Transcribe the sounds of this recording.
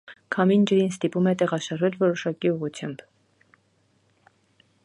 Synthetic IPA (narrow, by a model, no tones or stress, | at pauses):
kʰɑmind͡ʒəɾinst̪ipumɛt̪ɛʁɑʃɑɾvɛlvɔɾɔʃɑkiuʁut͡sʰjɑmb̥